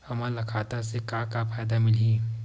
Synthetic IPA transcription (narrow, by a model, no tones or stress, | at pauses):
hɐmãlɐkʰaːt̪asekakafaːjd̪amɪlĩː